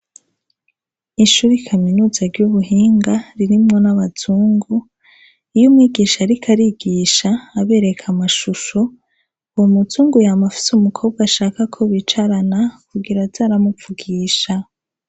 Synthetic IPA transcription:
iʃuːɾikʰaminuːzaɾɟuβuɦiːŋɡaɾiɾimŋo̞naβaz̥uːŋɡu | ijomŋiːɡiːʃaɾikʰaɾiɡiːʃaːβe̞ːɾe̞kʰamaʃuʃo | womuzuːŋɡujamafi̥sumukʰo̞ːbɡaʃaːkakʰoβit͡ʃaɾanakuɡiɾazaːɾamufuɡiːʃa

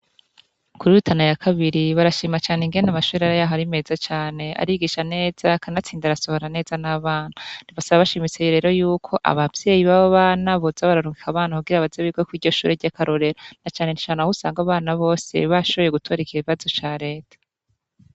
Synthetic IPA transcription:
kuɾijutʰanajakʰaβiɾiβaɾaʃiːmat͡ʃaːneŋɡe̞ndamaʃuːɾiaɾajaːɦoaɾime̞zat͡ʃaːne̞a̰ɾiɡiːʃane̞ːz̥akanat͡siːndaɾaso̞ho̞ɾane̞ːz̥anaβaːn̥huniβasaβaβaʃimit͡se̞joɾeːɾojuːkʰo̞ʔa̰βavj̥e̞jiβaβoβaːnaβozaβaɾaɾuŋɡikʰaβaːnahuɡiɾaβazeβiɡwekwiːɾɟo̞ʃuːɾeɟakʰaɾo̞ɾe̞ɾanat͡ʃaːne̞nit͡ʃaːŋahusaːŋɡaβaːnaβo̞ːse̞̰βaʃo̞βo̞jeɡutʰoɾikieβiβazo̞t͡ʃaːɾe̞ːtʰḁ

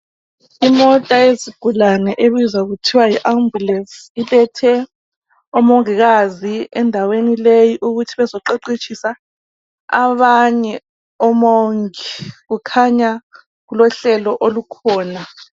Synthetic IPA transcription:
imɔtʼaeziɡ̥ʱulanɛʔeβizaɣutʰiwajiʔambulɛsilʼɛtʰɛ | ɔmoŋiɣaziɛndʱawenilejiʔuɣutʰiβɛzɔǃeǃit͡ʃʰisa | a̰βaɲɛ | ɔmoŋiɣukʰaɲa | ɣulɔɬɛlɔʔolukʰɔːna

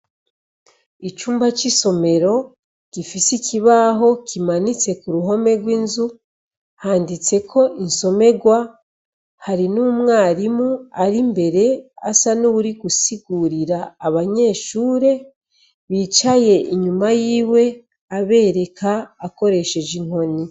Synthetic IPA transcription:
it͡ʃuːmbat͡ʃiso̞me̞ɾo̞ | kifisiciβaɦo̞kʰimanit͡se̞kuɾuɦo̞me̞ɾɡwiːnzu | haːndit͡se̞kʰo̞ʔinso̞me̞ɡwa | haɾinumŋaːɾimuaɾimbe̞ɾe̞a̰sanuβuɾiɡusiɡuːɾiɾaːβaɲe̞ːʃuːɾe̞ | βit͡ʃaje̞ʔiɲumajiːwe̞ | aβe̞ːɾe̞kʰaːko̞ɾe̞ʃe̞d͡ʒiŋ̥o̞ni

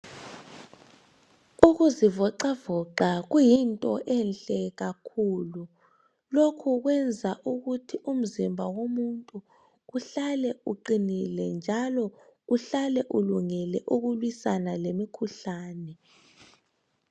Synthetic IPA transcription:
uɣuzivɔǃavɔǃaɣujintʼɔʔɛnɬʼɛɣakʰuːlu | lokʰuɣwɛnd͡zʱaʔuɣutʰiʔum̩zimbʱawomuntʼuː | ɬalɛuǃinilɛnd͡ʒʱalɔuɬalɛʔuluŋɛlɛʔuɣulwisanalemikʰuɬaːnɛ

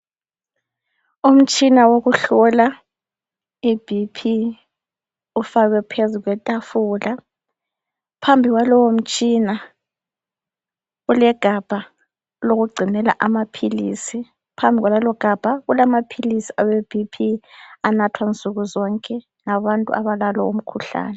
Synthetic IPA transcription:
um̩t͡ʃʼinawoɣuɬɔla | ib̥ʱipʰi | ufaɣɛpʰezuɣwɛtʼafula | pʰambʱiɣwalɔwom̩t͡ʃʼina | ɣulɛɡ̥ʱab̥ʱa | loɣuɡ͡ǀʱinɛla̰ʔamapʰilḭsi | pʰambʱiɣwalalɔɡ̥ʱab̥ʱaɣulamapʰilisiaweb̥ʱipʰianatʰwant͡sʼuɣuzɔŋkʼɛ | ŋaβantʼṵaβalalɔ̰ṵm̩kʰuɬa̰ːnɛ

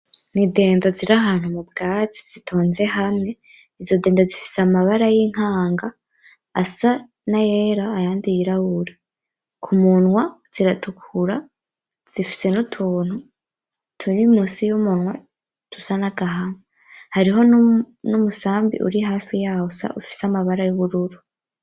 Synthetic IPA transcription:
nide̞ːndo̞ziɾaɦaːn̥humubɡaːt͡si̥zitʰo̞ːnze̞ɦamŋe̞ | izo̞de̞ːndo̞zifi̥samaβaɾajiŋ̥haːŋɡa̰ː | sa | najeɾaːjaːndijiɾahuɾe | kʰumunwaz̥iɾatʰukʰuɾa | z̥ifi̥se̞nutʰuːn̥hu | tʰunimusijumunwa | tusanaɡaɦama | haɾiɦo̞ | numusaːmbḭʔṵɾiɦaːfijahusa̰ʔufi̥samaβaɾajuβuɾuɾu

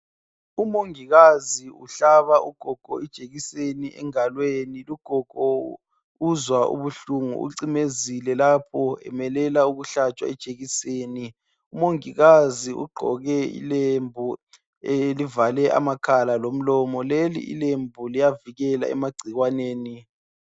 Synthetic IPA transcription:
umoŋiɣaziṵɬaβauɡ̥ʱɔɡ̥ʱɔid̥ʒ̥ʱeɣiseniʔɛ̰ŋalweniluɡ̥ʱɔɡ̥ʱɔ | uzwaʔṵβuɬuŋṵṵǀimezilɛlapʰɔɛ̰mɛlɛlauɣuɬat͡ʃʼwa̰ɛd̥ʒ̥ʱʼeɣiseːni | umoŋiɣaziʔṵɡ͡ǃʱɔ̰ɣɛḭlembʱu | elivalɛʔa̰makʰalalom̩lɔmɔlelḭʔḭlembʱulijaviɣɛla̰ɛ̰maɡ͡ǀʱiɣwaneːni

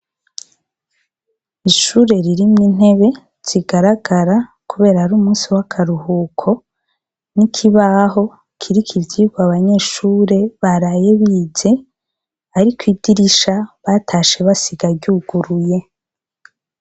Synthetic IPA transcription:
iʃuːɾe̞ɾiɾimŋiːn̥he̞βe̞ | z̥iɡaɾaɡaɾa | kuβe̞ːɾahaɾuːmuːsiwakʰaɾuhukʰo̞ | nikʰiβaɦo̞ | kʰiɾikʰivɟiːɡoaβaɲe̞ʃuːɾe̞βaɾaje̞βiːze̞ | aɾikwiːdiɾiʃaβatʰaːʃe̞βasiɡaɾɟuːɡ̥uɾuje̞

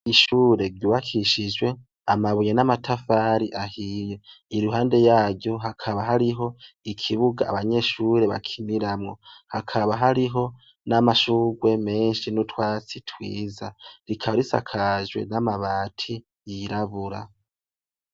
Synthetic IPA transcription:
iʃuːɾe̞ɾɟuːβakʰiʃid͡ʒwe̞ | amaβujenamatʰafaːɾiʔahije̞iɾuɦaːnde̞jaːɟo̞ɦakʰaβaɦaɾiɦo̞ikʰiβuɡa̰ːβaɲe̞ːʃuːɾe̞βa̰kʰiniɾamŋo̞hakʰaβaɦaɾiɦo̞ | namaʃuːɡwe̞me̞ːnʃinutwaːt͡sitʰwḭːzaɾikʰaβaɾisa̰kʰaʒwe̞̰namaβaːtʰi | jiɾaβuɾa̰

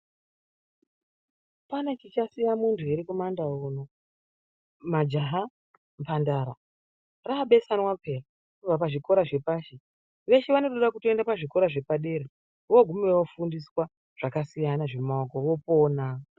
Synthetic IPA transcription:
panekit͡ʃasijamuntʰueɾikumandaono | mad͡ʒaɦa | mpandaɾa | raɓe̞sanwapʰera | uvapaʐiko̞ɾaʐe̞paːʃe | ʋe̞ʃeʋano̞toɗakutoendapaʐiko̞ɾaʐe̞paɗe̞ɾe | wo̞ɡʱumeewofundiswa | ʐ̥akasijanaʐemaokoʋo̞po̞ːna

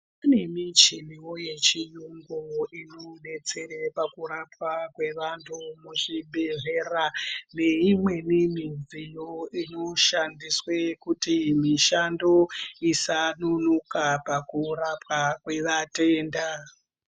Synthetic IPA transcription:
ane̞mit͡ʃimiwoje̞t͡ʃijuŋɡuinone̞t͡se̞ɾepakuɾapwakwe̞ʋantʰumuʐibʱe̞ʐe̞rane̞imwe̞nimizijoino̞ʃandiswekutimiʃando̞isanunukapakurapwakwe̞ʋate̞ːnda

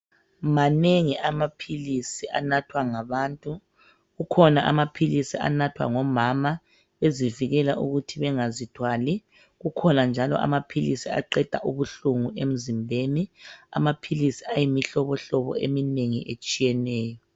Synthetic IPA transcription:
maneŋiʔamapʰilisiʔa̰natʰwaŋaβaːntʼu | ɣukʰɔnaʔa̰mapʰilisia̰natʰwa̰ŋɔmama | βeziviɣɛlaʔuɣutʰiβɛŋazitʰwaːli | ɣukʰɔnand͡ʒʱalɔ̰ʔa̰mapʰilisia̰ǃɛd̥ʱa̰ʔuβuɬuŋuem̩zimbʱenia̰mapʰilisiajimiɬɔβɔɬɔβɔ̰emineŋiʔet͡ʃʼijɛnɛːjɔ

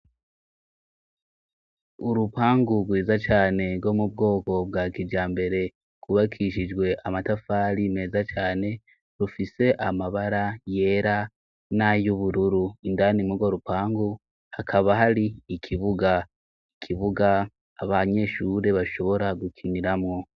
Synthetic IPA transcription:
uɾupaːŋɡuɡwiːzat͡ʃaːne̞ɡo̞mub̚ɡo̞ːko̞b̚ɡaːkiɟaːmbe̞ɾe̞ | kuβakʰiʃid͡ʒɡwe̞ʔamatafaːɾime̞ːzat͡ʃaːne̞ | ɾufise̞ʔamaβaɾaje̞ːɾa | najuβuɾuɾuindanimuɡwoɾupaːŋɡu | hakʰaβaɦaɾiːkʰiβuɡa | ikʰiβuɡaː | βaɲe̞ʃuɾe̞βaʃo̞βo̞ɾaɡukʰiniɾamŋo̞

